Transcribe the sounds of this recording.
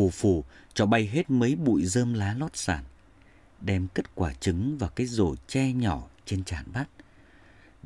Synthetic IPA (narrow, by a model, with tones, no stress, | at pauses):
u˨˩fu˧˩t͡ɕɔ˧˩ɓa˧jɦe˦˥t̚mə˨˦jɓṵ˧˨jzəː˧mlaː˨˦lɔ˦˥t̚saː˧˩n | ɗɛ˧mke˦˥t̚kwaː˧˩t͡ɕɨ˨˦ŋvaː˨˩kaː˨˦jzo̰˧˩t͡ɕɛ˧ɲɔ˧˩t͡ɕe˧nt͡ɕa̰ː˧˨nɓa˦˥t̚